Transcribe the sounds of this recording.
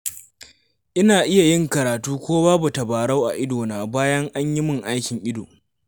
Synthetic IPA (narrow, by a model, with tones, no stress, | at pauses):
ʔɪ˦naː˨ʔɪ˦ja˨jɪ˦ŋkɐ˨ɾaː˨tuː˦kʷoː˦waː˦bʊ˨tɐ˨baː˨ɽa˦wʔa̰˨ʔɪ˦doː˨naː˨baː˦jɐ˦ŋʔa˦ɲjɪ˦mʊ˨ŋʔa˦jkʲɪ˨ŋʔɪ˦doː˨